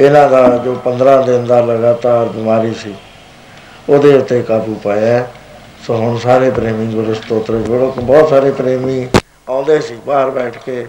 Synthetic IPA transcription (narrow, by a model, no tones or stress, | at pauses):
ɪnãːd̪aːd͡ʒoːpənd̪ɾãːd̪ɪnd̪aːləɡaːt̪aːɾbɪmaːɾiːsiː | oːd̪eːʊt̪ːeːkaːbuːpaːɛː | soːɦʊnsaːɾeːpɾeːmĩːɡʊɾəst̪oːt̪ɾed͡ʒoːɽoːkbɔːt̪saːɾeːpɾeːmĩː | ãːʊnd̪eːsiːbaːɾbɛːʈʰkeː